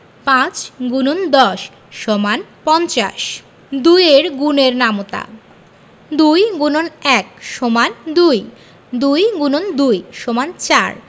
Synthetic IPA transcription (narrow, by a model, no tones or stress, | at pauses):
pãt͡ɕɡunond̪ɔʃː | ɔmanpɔnt͡ɕa̰ʃ | d̪ujeɾɡuneɾnamot̪a̰ | d̪ujɡunonɛk̚ʃomand̪uj | d̪ujɡunond̪ujʃomant͡ɕaɾ